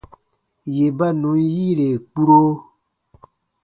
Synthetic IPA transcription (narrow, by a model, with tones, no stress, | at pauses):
je˨ba˦nũ˨˦n˦jiː˦ɾe˨k͡pu˦ɾo˦